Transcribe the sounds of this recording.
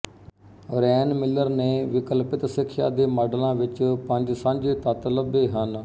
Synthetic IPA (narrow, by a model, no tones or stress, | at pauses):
ɾɛːnmɪlːəɾneːʋɪkəlpɪt̪sɪkʰːʃa̰ːd̪eːmaːɖlãːʋɪt͡ʃpəɲd͡ʒsãːɲd͡ʒeːt̪ət̪ləbeːɦən